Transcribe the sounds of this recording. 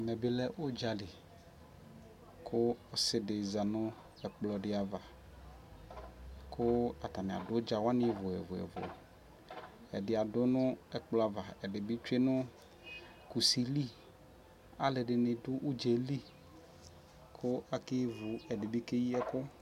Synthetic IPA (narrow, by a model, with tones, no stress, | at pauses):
a˨mɛ˨bɪ˦lɛ˦ʔʊ˦d͡ʒa˨lɪ˨ | kʰʊː˦˨sɪ˨dɪ˨za˨nʊ̃˦ | ɛ˨k͡plɔ˨dɪ˦a˨va˨ | kʰʊ˦a˨t̪a˨nɪ̃˨a̰˨dʊ˦d͡ʒa˨wa˦nɪ̃˦vʊ˨ɛ̰˨vʊ˨ɛ̰˨vʊ̰˨ | ɛ̰˨dɪ˨a˨dʊ˦nʊ̃˦ɛ˨k͡plɔ˦a˨va˨ɛ˨dɪ˨bɪ˦t͡ʃe˦nʊ˦ | ku˨si˨li˦ | a˨˦lɪ˨ɖɪ˨nɪ˨dʊ˦ʔu˦d͡ʒe˨li˦ | kʰʊ˦a˨kɪ˦vʊ˨ɛ˨dɪ˨bɪ˦ke˦ji˦ɛ˦kʊ˦